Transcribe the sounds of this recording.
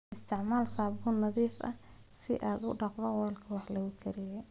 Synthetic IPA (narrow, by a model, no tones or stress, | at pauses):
ʔɪst̪ʰɪʕmaːlsaːbuːnɑðiːfʔɐ̰ | sɪ̰ʔaːd̪ʊ̰ɖɑqbɐwɔlkʰɐwɑħlɐɣʊkʰɪɾɪjɛ